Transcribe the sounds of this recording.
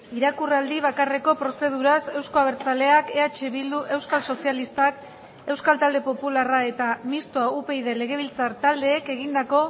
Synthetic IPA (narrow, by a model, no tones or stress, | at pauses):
iɾakurald̪iβ̞akare̞ko̞pɾo̞se̞ð̞uɾase̞wsko̞aβ̞e̞ɾt͡sale̞ake̞at͡ʃe̞βild̪uʔe̞wskalso̞sialist̪ak | e̞wskalt̪ald̪e̞po̞pularae̞t̪amist̪oaupe̞jðe̞le̞ɣ̞e̞β̞ilt͡saɾt̪ald̪e̞ːke̞ɣ̞ind̪ako̞